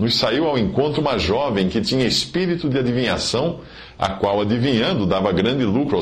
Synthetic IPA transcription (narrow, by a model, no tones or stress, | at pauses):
nʊssaiwawẽŋkõnt̪ɾʊũmɐʒɔvẽj̃kɪt̪ĩɲɐespiɾit̪ʊd̪ɪad̪ivĩɲasɐ̃w̃ | ɐ̰kwawad̪ivĩɲɐ̃nd̪ʊd̪avɐɡɾɐ̃nd̪ɪlukɾʊa